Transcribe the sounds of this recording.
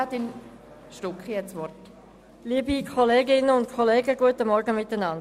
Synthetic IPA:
ɑt̪ɪn | ʃtʊkχijɛt͡sʋɔrt | liːbikʰɔleːɡɪnəʊntkʰɔleːɡəɡ̥uətəmɔɾɡəmɪtənɑnd

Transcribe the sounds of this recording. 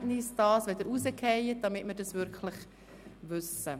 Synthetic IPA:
tnɪsd̥ɑːsʋɛdəɾusəkʰɛjət̚d̥ɑmɪtməɾdɑsvʏɾkʰlɪχ | vʏsə

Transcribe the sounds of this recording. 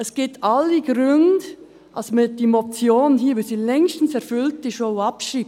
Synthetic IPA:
əsɡ̥ɪtʰɑlːiɡ̥ɾʏnd | ʔɑsmɪd̥imot͡sjoːnhiːəʋusiːlɛŋʃtn̩sɛɾfʏlt̚d̥iʃoʊɑpʃɾib

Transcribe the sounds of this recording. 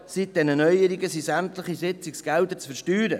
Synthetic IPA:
sit̚d̥ɛnənœjəɾiɡəsisæmt̪ləχisɪt͡siksɡ̥ɛld̪ət͡sfəɾʃtyːɾə

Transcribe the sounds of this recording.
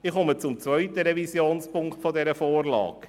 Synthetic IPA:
ɪχɔmət͡sʊmt͡svœʏt̪əɾɛvisjoːnspʊŋkt̪fɔdɛɾəfoːrlɑ̰ːk

